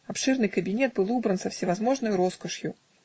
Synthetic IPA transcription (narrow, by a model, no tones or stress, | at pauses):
apʂɨrnɨjkɐbʲinʲɛt̪̚bɨlˠubɾɐnsɐfsʲɪvazmɔʐnɐjuɾɔskɐʂju